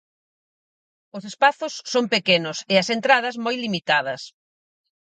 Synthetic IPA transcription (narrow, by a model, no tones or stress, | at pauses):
ʊsespaθʊsːoŋpekenʊsɪɐsent̪ɾað̞ɐzmojlimit̪að̞ɐs